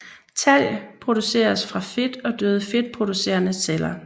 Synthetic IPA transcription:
t͡sʰæl̰pʰʁo̝d̥use̝̰ːɐsfʁɑ̈fe̝d̥ɒ̽d̥øːð̞ˠəfe̝d̥̚pʰʁo̝d̥use̝̰ːɐnəselɐ

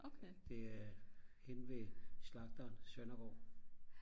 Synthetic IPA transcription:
od̥e̝æɐhenʋeslɑ̈ɡ̥̚d̥ɐːnsœnɐɡ̥ɒ̰ː

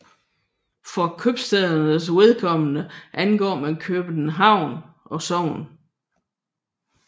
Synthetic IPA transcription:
fɒ̽kʰøb̥sd̥ɛðˠɐnəs̬we̝ðˠkʰɒ̽mənəʔænɡ̥ɒ̰ːmænkʰøːb̥ənəɦɑ̈ʊ̰n | ʔɒ̽sɒʊn

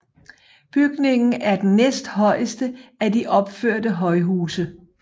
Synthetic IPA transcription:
b̥yɡ̥ne̝ŋn̩æɐd̥enːesd̥hɒ̽ɪ̰əsd̥əædiʔɒ̽b̥føɐ̰dəɦɒ̽ɪɦuːsə

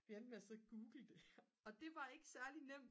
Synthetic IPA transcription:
ʋien̥meæsɒɡ̥uːɡ̥l̩d̥eɒ̽d̥e̝ʋɑ̈e̝ɡ̥ə̥sæɐlinem̰d

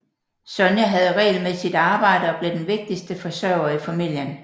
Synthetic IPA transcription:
sɒnjəɦæð̞̩ˠʁɛ̰ɪlmesid̥ɑ̈ːb̥ɑ̈ɪ̰ɾ̥əɒ̽b̥le̝d̥enʋe̝ɡ̥̚d̥isd̥əfɒ̽sœːʊɐifæmil̰jən

